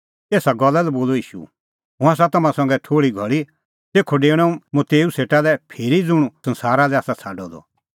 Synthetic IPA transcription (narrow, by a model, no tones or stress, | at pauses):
eːsaɡɔlːalɛboːloiːʃṵ | ɦʊ̃as̬at̪ɐmãsɐ̃ŋɡɛʈʰoːɽiɡʱɐɭi | t̪eːkʰːoɖeːɽ̃ɛ̃ũmɐt̪eːuseːʈalɛpʰeːɾid͡zʊɽ̃usɐ̃nsaːɾalɛaːsat͡sʰaːɖɔd̪ɔ̰